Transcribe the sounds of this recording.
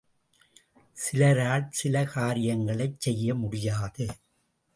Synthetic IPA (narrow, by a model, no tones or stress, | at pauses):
sɪlɐɾaːɭsɪlɐkaːɾɪjɐŋɡɐɭɐɪt͡ʃsɛjːɐmʊɽɪjaːðɯ